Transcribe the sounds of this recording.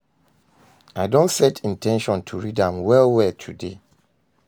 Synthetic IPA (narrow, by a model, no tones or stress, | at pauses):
aɪdõntsɛtʰĩntʰɛ̃nʃɔ̃ntʰuɹidãmwɛlwɛtʰude